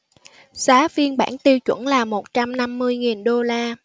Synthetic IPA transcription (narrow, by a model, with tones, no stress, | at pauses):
saː˨˦vi˧ənɓa̰ː˧˩nt̪i˧əwt͡ɕwə̰˧˩nlaː˨˩mo˨˩t̚t͡ɕa˧mna˧mːɨ˧əjŋi˨˩nɗo˧laː˧